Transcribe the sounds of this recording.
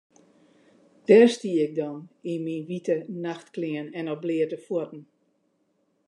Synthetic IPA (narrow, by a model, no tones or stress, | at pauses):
d̥ɛrstiːɪk̚dɔninminʋitənaxtklɪənɛnɔblɪərdəfutn̩